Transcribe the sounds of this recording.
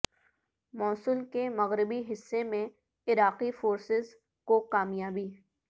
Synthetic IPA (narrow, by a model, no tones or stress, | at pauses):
mɔːsʊlkemɐɣɾɪbiɦɪsːemẽ | ɪɾaːqifoːɾsɪz | kokaːmjaːbi